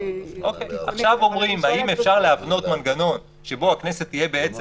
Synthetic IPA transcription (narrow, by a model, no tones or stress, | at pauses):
ʔo̞keja̰χʃavo̞mʁimaimefʃaʁleavno̞tmanɡano̞n | ʃe̞bo̞akne̞se̞t̪ːije̞be̞et͡s